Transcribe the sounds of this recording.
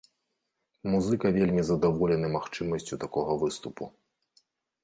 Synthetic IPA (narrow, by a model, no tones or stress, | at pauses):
muzɨkɐvʲelʲmʲizɐd̪avɔlʲɛnɨmaxt͡ʂɨmɐsʲt͡sʲut̪akɔɣɐvɨst̪upu